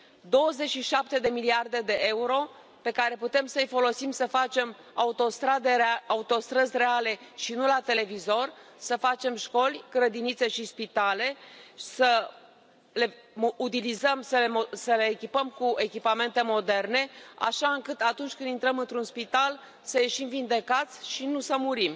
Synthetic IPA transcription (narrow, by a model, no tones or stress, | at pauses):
d̪o̞wəze̞t͡ʃʃiʃap̚t̪e̞d̪e̞miliard̪e̞d̪e̞ʔe̞uɾo̞ | pe̞kaɾe̞put̪e̞msəjfo̞lo̞simsəfat͡ʃe̞m | aut̪o̞st̪ɾad̪eaut̪o̞st̪ɾəzʲre̞ale̞ʃinulat̪e̞le̞vizo̞rʲsəfat͡ʃe̞mʃko̞lʲɡ̥ɾəd̪init̪se̞ʃispit̪ale̞sə | le | mut̪ilizəmsəlemosəle̞ːkʲipəmkue̞kʲipame̞nt̪e̞mo̞d̪e̞rne̞a̰ʃaɨŋkɨt̪at̪unt͡ʃʲkɨnd̪int̪ɾəmɨnt̪ɾunspit̪al | səje̞ʃimvind̪e̞kat̪sʲʃinusəmuɾim